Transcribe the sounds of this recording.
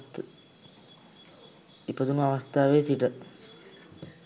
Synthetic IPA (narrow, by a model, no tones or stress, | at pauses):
t̪ | ipət̪unuaʋast̪aːʋeːsiʈə